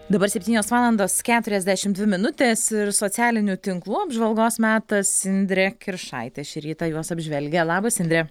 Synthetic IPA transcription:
d̪ɐbɐɾsʲɛpʲt̪ʲiːnʲoːsʋɑːlˠɐnd̪oːskʲæːt̪ʊɾʲɛzd̪ʲæʃʲɪmd̪ʲʋʲɪmʲɪnʊt̪ʲeːsɪɾsoːsʲæːlʲɪnʲut̪ʲɪŋklˠuːɐbʒʋɐlˠɡoːsmʲæːt̪ɐsɪnʲd̪ʲɾʲɛkʲɪɾʃɑ̰ɪt̪ʲeːʃʲɪɾʲiːt̪ɑjuɔsɐbʲʒʲʋʲɛlʲɡʲɛlˠɑːbɐsɪnʲd̪ɾʲɛ

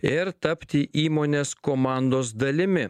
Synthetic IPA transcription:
ɪɾt̪ɐpʲt̪ʲɪʔiːmoːnʲeːskoːmɑˑnd̪oːsd̪ɐlʲɪmʲɪ

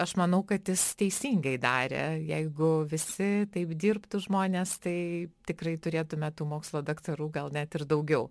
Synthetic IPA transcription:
ɐʃmɐnɐʊkɐt̪jɪst̪ʲɛɪsʲiːŋɡɐɪd̪ɑːɾʲḛjɛɪɡʊʋʲɪsʲɪt̪ɐɪpd̪ʲiːrpt̪uʒmoːnʲeːst̪ɐɪtʲɪkrɐɪt̪ʊɾʲeːt̪ʊmʲɛt̪uːmoːkslˠoːd̪ɐkt̪ɐɾuːɡɐlˠnʲæt̪ɪɾd̪ɐʊɡʲɛʊ

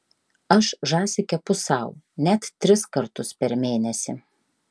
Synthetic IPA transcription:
ɐʃʒɑːsʲɪkʲɛpʊsɑˑʊ | nʲɛt̪tːʲɾʲɪskɐɾt̪ʊspʲɛɾmʲeːnʲɛsʲɪ

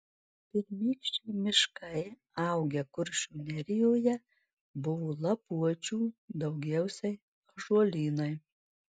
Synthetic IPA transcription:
pʲɪɾʲmʲiːkʃʲt͡ʃʲɛːmʲɪʃkɐɪ | ɑˑʊɡʲɛkʊɾʲʃʲuːnʲɛɾʲɪjoːjɛ | bʊʋoːlˠɐpuɔt͡ʃʲuːd̪ɐʊɡʲɛʊsʲɛɪ | ʒuɔlʲiːnɐɪ

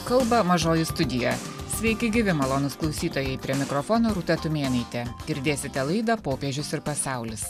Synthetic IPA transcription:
kɐlˠbɐmɐʒoːjɪst̪ʊd̪ʲɪjɛsʲʋʲɛɪkʲɪɡʲɪʋʲɪmɐlˠoːnʊsklˠɒʊsʲiːt̪oːjɛɪpʲɾʲiɛmʲɪkɾɔfɔnoːɾut̪ʲɛt̪ʊmʲeːnɐɪt̪ʲɛɡʲɪɾʲd̪ʲeːsʲɪt̪ʲɛlˠɐɪd̪ɐpoːpʲeɛʒʲʊsɪɾpɐsɑˑʊlʲɪs

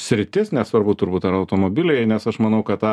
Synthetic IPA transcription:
sʲɾʲɪt̪ʲɪsnʲɛsʋɐrbʊt̪ʊɾbuːt̪ɐɾɐʊt̪oːmoːbʲɪlʲɛjnʲɛsɐʃmɐnɐʊkɐt̪ɑ

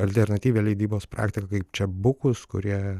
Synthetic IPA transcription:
ɐlʲt̪ʲɛɾnɐt̪ʲiːʋʲeːlʲɛɪd̪ʲiːboːspɾɑ̰ːkt̪ʲɪkɐkɐɪpt͡ʃʲɛbʊkʊskʊ̰ɾʲiɛ

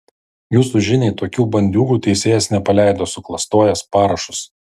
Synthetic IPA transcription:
juːsuʒʲɪnʲɛɪt̪oːkʲuːbɐnʲd̪ʲuːɡuːt̪ʲɛɪsʲeːjɛsnʲɛpɐlʲæˑɪd̪oːsʊklˠɐst̪oːjɛspɑːɾɐʃʊs

